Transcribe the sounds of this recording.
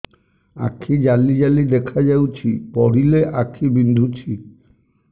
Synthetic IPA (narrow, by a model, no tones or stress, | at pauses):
a̰kʰid͡ʒalid͡ʒalid̪ekʰad͡ʒawt͡ʃʰipɔɽ̤ileʔakʰibind̪ʱut͡ʃʰi